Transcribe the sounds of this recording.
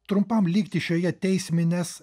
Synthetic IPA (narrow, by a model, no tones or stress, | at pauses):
t̪ɾʊmpɐmlʲiːkt̪ʲɪʃʲoːjɛt̪ʲɛɪsʲmʲɪnʲɛːs